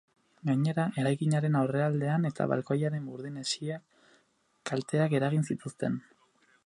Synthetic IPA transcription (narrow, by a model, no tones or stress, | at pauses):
ɡaɲe̞ɾaʔe̞ɾajkiɲaɾe̞nawre̞ald̪e̞ane̞t̪a̰βa̰lkojaɾe̞mbuɾðinesia | kalt̪e̞ake̞ɾaɣ̞insit̪ust̪e̞n